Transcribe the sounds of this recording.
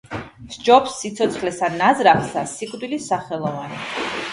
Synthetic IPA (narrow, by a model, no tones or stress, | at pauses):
sd͡ʒɔpsːit̪sʰɔt̪sʰχlɛsanazɾaχsasikʼd̪wilisaχɛlˠɔvani